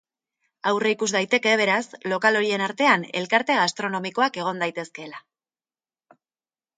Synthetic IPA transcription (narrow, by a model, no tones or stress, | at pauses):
awreikuzd̪ajt̪e̞ke̞β̞e̞ɾaslo̞kalo̞ɾie̞naɾt̪e̞ane̞̰lkaɾt̪e̞ɣ̞ast̪ɾo̞no̞miko̞ake̞ɣ̞o̞nd̪ajt̪e̞ske̞la